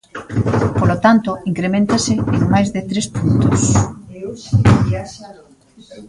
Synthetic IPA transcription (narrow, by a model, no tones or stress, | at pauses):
polot̪ant̪oiŋkɾemẽnt̪asɪeŋmajzðɪt̪ɾespunt̪os